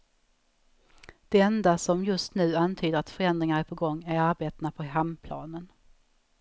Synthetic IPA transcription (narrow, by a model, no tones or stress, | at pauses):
d̪̥ɛɛnd̪asɔmjɵst̪nʉ̟ːant̪ʰyːd̪əɾat̪fœɾɛnd̪ɾɪŋaɾæɾpʰɔɡɔŋːæɾaɾbeːt̪napʰɔɦampʰlɑ̰ːnən